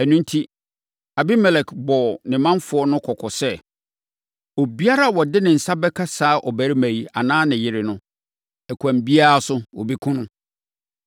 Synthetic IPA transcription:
æ˨nũ˦n˦tʰi˦ | a˨bi˦mɛ˨lɛ˨kbɔ˨nɪ̃˨mã˦nfʊ˨˦ɔ˦nʊ̃˦kʰɔ˨kʰɔ˨sɛ˦ | o˨bi˦a˦ɾa˦˨wɔ˨dɪ˦nɪ̃˨n̩˨sa˦bɛ˦kʰa˦saː˨˦ʔɔ˨bæ˨ɾi˦mæ̃˨i˨a˨nãː˦nɪ̃˨jɪ˨ɾɪ˨nʊ̃˦ | ɛ˨kʰʷã˨m˨bi˦a˦ɾa˦˨sʊ˦wɔ̰˨bi˦kʰʊ̃˦nʊ̃˦

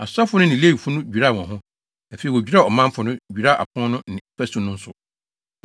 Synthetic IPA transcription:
a̰˨sa˦fʊ˦nʊ̃˦nɪ̃˨le˦i˨fʊ˦nʊ̃˦d͡ʑᶣu˨ɾa˦˨wɔ̃˨ɦʊ̃˦ | æ˨fe˨wo˨d͡ʑᶣi˦ɾa˦˨ɔ˨mã˦m˦fʊ˨nʊ̃˦d͡ʑu˨ɾa˦˨ʔa̰˨pʰʊ̃˦nʊ̃˦nɪ̃˨˦fɛ˦su˨nʊ̃˦n̩˦sʊ˨

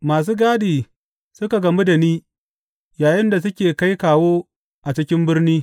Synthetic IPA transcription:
maː˨s̬uː˦ɡaː˦diː˨ | sʊ˦ka˨ɡɐ˨mi˦da˨niː˦ | jaː˨jɪ˦nda˨s̬ʊ˦kʲeː˨ka˦jkaː˨woː˦ | ʔa˨t͡ʃɪ˦kʲɪ˦mbɪ˦rniː˦

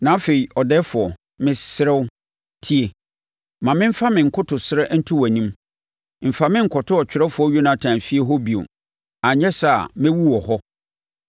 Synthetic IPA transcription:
nã˨˦fe˨i˨ɔ˨dɛ˦fʊ˨ɔ˨ | mɪ̃˦sɪ˦ɾɛ˦w | tʰi˦e˨ | mã˨mɪ̃˦m̩˦fa˦mɪ̃˨ŋ̩˨kʰʊ˦tʰʊ˨sɪ˦ɾɛ˦n̩˦tʰʊ˦wæ˨nĩ˦m | m̩˨fa˨mɪ̃˦ŋ̩˨kʰɔ˨tʰʊ˦ɔ˨t͡ɕᶣʰɪ˨ɾɛ˦fʊ˨˦ɔ˦ɥo˦nã˨tʰã˨m˨fi˦e˦ɦɔ˦bi˨o̰˨ | a˨ɲɛ̃˦sa˦˨mɪ̃˦wu˦wɔ˨hɔ˦

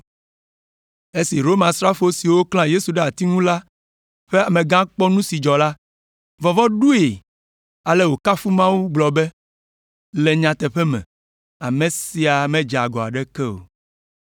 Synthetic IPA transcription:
e˦si˨ɾo˦mã˨stɾa˦fo˦si˨wo˦klã˦je˦su˨ɖe˦a˨t̪i˦ŋũ˦la˦ | ɸe˦a˨mẽ˨ɡã˦k͡pɔ˦nũ˦si˨d͡ʒɔ˨la˦ | vɔ˨vɔ˦ɖu˦e˨ | a˨lɛ˦˨wo˨ka˦fu˦mã˦wu˦ɡ͡blɔ˨bɛ˦ | lɛ˨ɲã˨t̪ɛ˨ɸɛ˦mɛ̰̃˨ | a˨mẽ˨si˨a˨mɛ̃˦d͡ʒa˨ɡɔ˨a̰˨ɖɛ˦kɛ˦o̰˨

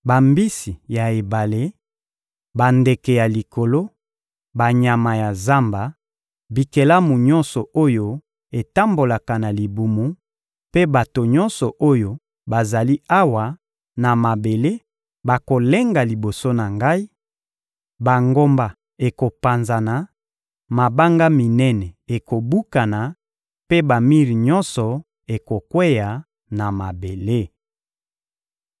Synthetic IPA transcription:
ba˨mbi˦si˨ja˨e˨ba˨le˦ | ba˨nde˨kɛ˨ja˨li˨ko˨lo˦ | ba˨ɲa˨ma˨ja˨za˦mba˨ | bi˨ke˨la˦mu˨ɲɔ̃˦nsɔ˨o˦jo˦ | e˨ta˦mbo˨la˨ka˨na˨li˨bu˨mu˦ | pe˦ba˨to˨ɲɔ̃˦nsɔ˨ʔo˦jo˦ | ba˨za˨li˦a˦wa˨ | na˨ma˨be˨le˦ | ba˨ko˨le˦ŋɡa˨li˨bo˨so˦na˨ŋɡa˦i˦ | ba˨ŋɡo˦mba˨ | e˨ko˨pa˨nza˨na˨ | ma˨ba˦ŋɡa˦mi˨nɛ˦nɛ˨e˨ko˨bu˦ka˨na˨ | pe˦ba˨mi˦ʁi˨ɲɔ˦nsɔ˨ | e˨ko˨kwɛ˦ja˨ | na˨ma˨be˨le˦

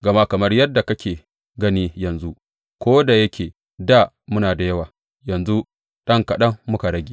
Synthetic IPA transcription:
ɡɐ˨ma˦kɐ˨mɐ˦rjɐ˦dːa˨kɐ˦kʲeː˨ | ɡɐ˦niː˦jɐ˨nzu˦ | kʷoː˦da˨jɐ˦kʲeː˨ | da˦˨ | mʊ˦naː˨da˨jɐ˦waː˨ | jɐ˨nzu˦ | ɗɐ˦ŋkɐ˨ɗɐ˦ŋːʊ˦ka˨ɽɐ˦ɡʲeː˨

